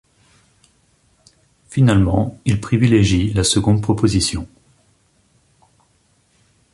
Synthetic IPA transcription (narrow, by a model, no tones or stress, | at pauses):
finalmɑ̃ilpχivileʒilasəɡɔ̃d̪̚pχɔpozisjɔ̃